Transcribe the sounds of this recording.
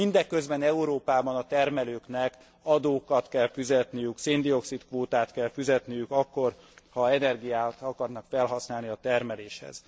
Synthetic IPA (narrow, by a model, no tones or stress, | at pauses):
mind̪ɛkːø̞zbɛnɛuɾoːpaːbɒnɒt̪ɛrmɛløːknɛk | ɒd̪oːkɒt̪kɛlfyzɛt̪nijykseːnd̪io̞ksit̪kʋoːt̪aːt̪kɛlfyzɛt̪nijykɒkːo̞r | hɒɛnɛrɡijaːt̪ɒkɒrnɒkfɛlɦɒsnaːlniɒt̪ɛrmɛleːʃhɛ̰z̥